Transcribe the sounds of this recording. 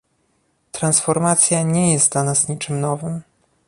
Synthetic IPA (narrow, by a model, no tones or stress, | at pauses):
t̪ɾansfɔɾmat̪sʲjaɲɛjɛst̪d̪lanasɲit͡ʂɘmnɔvɘm